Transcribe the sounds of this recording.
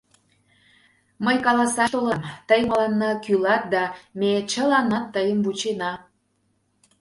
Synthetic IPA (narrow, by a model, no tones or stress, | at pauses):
məjkɑlɑsɑʃt̪olɑmt̪əjməlɑnːɑkylɑt̪̚d̪ɑmet͡ɕə̆lɑnɑt̪ːəjəmvut͡ɕenɑ